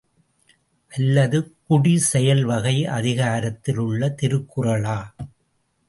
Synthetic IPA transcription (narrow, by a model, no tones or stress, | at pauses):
ʔɐlːɐðɯkʊɽisɛjɐlʋɐɣɐɪʔɐ̰ðɪɣaːɾɐt̪ːɪlɯɭːɐt̪ɪɾɯkːʊrɐɭaː